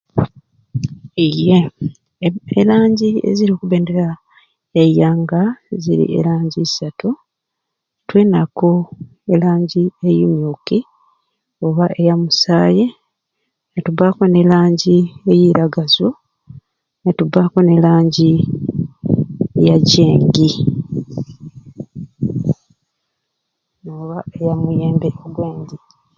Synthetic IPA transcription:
ije | ḛlaːɲɟiḛziɾio̞ːkuβe̞ːnde̞ɾa | ejaːŋɡazḭɾḭʔe̞̰laːɲɟisatu | twe̞ːnako̞ | e̞laːɲɟiejumjoki | oβaʔe̞jamusaːje | natubako̞ne̞laːɲɟiejiɾaɡazo | natubako̞ne̞laːɲɟi | jaɟeːŋɡi | noːβae̞jamuje̞ːmbeʔoɡwe̞ːɲdi

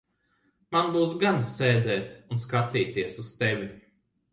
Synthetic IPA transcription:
manbuːsɡansɛːd̪ɛːt̪unskat̪iːt̪iɛsust̪ɛvʲi

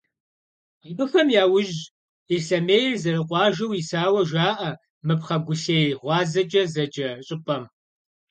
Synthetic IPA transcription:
ibɨxɐmjaːwʊʒ | esɐmeːjrzɐrɨqʷʼɑːʒɐwisaːwɐʒaːʔɐ | mɨpχɐɡʷʊɬeːjʁʷɑːzɐd͡ʒʼɐzɐd͡ʒʼɐɕʼɪpʼɐm

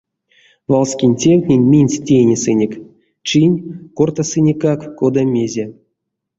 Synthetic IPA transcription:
valˠsʲkʲinʲtʲewʲt̪ʲnʲenʲmʲinʲsʲtʲejnʲesɨnʲekʲ | t͡ʃinʲkort̪asɨnʲekakkod̪amʲezʲe

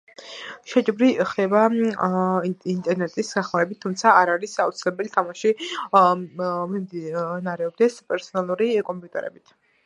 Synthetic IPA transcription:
ʃɛt͡ʃʼbɾiχd̪ɛba | int̪ʼɛɾnɛt̪ʼisɡaχlˠavɛbit̪ʰːumt̪sʰaːɾaɾisaut̪sʰilɛbɛlit̪ʰamaʃi | mimd̪inaɾɛɔb̚d̪ɛspʼɛɾsɔnalˠuɾikʼɔmpʼut̪ʼɛɾɛ̰bit̪ʰ

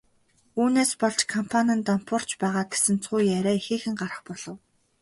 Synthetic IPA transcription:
uːneːspɔɮt͡ɕkʰɔmpʰanʲănt̪ɔm̥pʊr̥t͡ɕpæːʁaːɡe̥sɘ̆nt͡sʰʊːjæɾʲæːixeːxɘ̆ŋɢaɾə̥̆χpɔɮɞ̆w

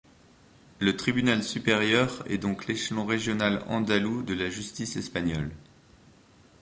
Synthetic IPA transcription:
lət̪χibynalsypeʁjœʁɛ̰d̪ɔ̃kleʃlɔ̃ʁeʒjɔnalɑ̰̃d̪alud̪əlaʒyst̪isɛspaɲɔ̰l

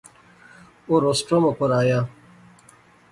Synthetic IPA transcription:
oɾosʈɾomokoɾaːja

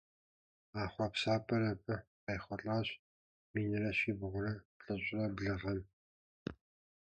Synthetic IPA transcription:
aːχʷɐpsaːpʼɐɾɐpʰʼɐqɐjχʷɔɬʼaːɕ | miːnɨɾɐɕiːbʁʷʊɾɐpɬʼɐɕʼrɐbɮɨʁɐn

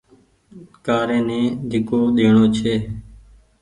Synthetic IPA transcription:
kaːɾẽːnẽːd̪ʱɪkoːɗ̪eːɳoːt͡ʃʰeː

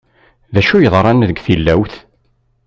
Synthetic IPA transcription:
ðæʃujəðˤɾˤɑnðəɡθilːæwθ

